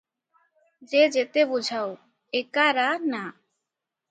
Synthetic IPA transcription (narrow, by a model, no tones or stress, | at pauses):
d͡ʒed͡ʒet̪ebud͡ʒʱao | ekaɾana